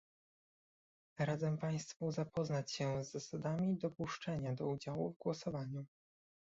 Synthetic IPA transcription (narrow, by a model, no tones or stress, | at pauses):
ɾad̪zɛmpaj̃st̪fuzapɔznat͡ɕɕɛzːasad̪amʲid̪ɔpuʂt͡ʂɛɲad̪ɔud͡ʑawuvɡwɔsɔvaɲu